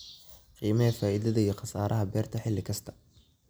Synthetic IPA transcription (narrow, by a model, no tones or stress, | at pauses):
qiːmɐɐfaːʔɪðɐðɐijɔqɑsaːɾʔɐɦɐbɛːrt̪ʰɐħɪlːɪkʰɐst̪ʰɐ̥